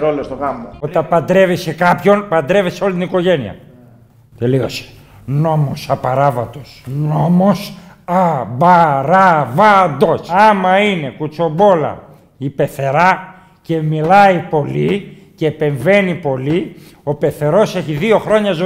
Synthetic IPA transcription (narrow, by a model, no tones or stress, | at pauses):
ɾolost̪oɣɐmoot̪t̪ɐpɐnd̪ɾe̞vesekɐpço̞npɐnd̪ɾe̞veseo̞lit̪iniko̞ʝe̞niɐ̰ | t̪eliose̥ | no̞mosɐpɐɾɐvɐt̪o̞sno̞mos | ɐbɐɾɐvɐd̪o̞sɐmɐine̞kut͡so̞bo̞lɐ̰ | ipe̞θe̞ɾɐ | ce̞milɐipo̞li | ceːpe̞ɱve̞nipo̞li | o̞pe̞θe̞ɾo̞se̞çiðio̞xɾo̞ɲɐzo